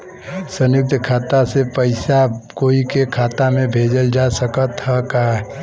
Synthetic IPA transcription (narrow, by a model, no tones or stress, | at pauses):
sənjʊk̚t̪kʰaːt̪asepəɪsakoikekʰaːt̪amẽbʱed͡ʒəld͡ʒasəkət̪ɦɛkaɛ